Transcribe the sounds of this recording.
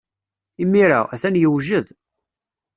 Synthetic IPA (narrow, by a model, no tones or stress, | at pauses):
imːiɾa̰æθænjəwʒəð